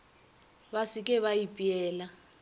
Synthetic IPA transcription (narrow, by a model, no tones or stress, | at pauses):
βasik̬ʼɛβajipʼiɛːla